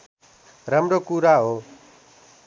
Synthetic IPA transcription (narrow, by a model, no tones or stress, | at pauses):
ɾəmɾoːkuːɾaːɦoː